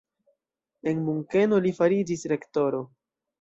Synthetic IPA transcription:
e̞nmuŋke̞no̞lifaɾid͡ʒisɾe̞kto̞ɾo̞

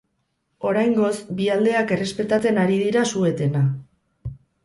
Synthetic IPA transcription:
o̞ɾajŋɡo̞sbiald̪e̞ake̞re̞spe̞t̪at͡se̞naɾiðiɾasue̞t̪e̞na

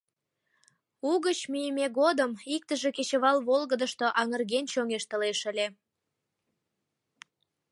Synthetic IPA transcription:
uɣət͡ɕmyjəmeɣod̪əmik̚t̪əʒe̽ket͡ɕə̆βɑlβolɣəd̪əʃt̪oʔɑŋərɣent͡ɕoŋeʃt̪əleʃə̆lʲe

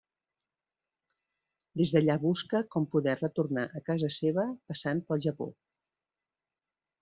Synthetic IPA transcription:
d̪ezðəʎaβuskəkɔmpuðɛrət̪urnaʔəkazəseβəpəsanpəlˠʒəpo̰

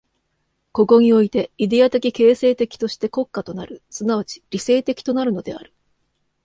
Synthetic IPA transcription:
ko̞ko̞ɲ̟io̞it̪e̞id̪e̞at̪e̞kʲike̞ːse̞ːt̪e̞kʲi̥t̪o̞ɕi̥t̪e̞ko̞kːat̪o̞naɾɯ̟sɨnaβ̞at͡ɕi̥ɾʲise̞ːt̪e̞kʲi̥t̪o̞naɾɯ̟no̞d̪e̞a̰ɾɯ̟̥

